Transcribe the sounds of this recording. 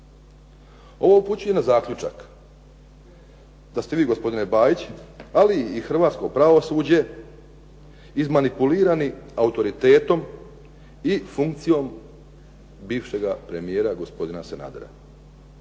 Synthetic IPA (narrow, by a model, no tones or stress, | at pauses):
o̞ʋoupuːt͡ɕuje̞nazaːkʎʲut͡ʃa̰k | d̪ast̪e̞ʋiːɡo̞spo̞d̪inebaːjit͡ɕaliːxr̩ʋaːt̪sko̞pɾaʋo̞suːd͡ʑe̞ | izmanipuliːɾaniaut̪o̞ɾit̪e̞ːt̪o̞m | ifuŋk̚t̪sijo̞m | biːʋʃe̞ɡapɾe̞mije̞ːɾaɡospo̞d̪inasena̰ːd̪eɾa̰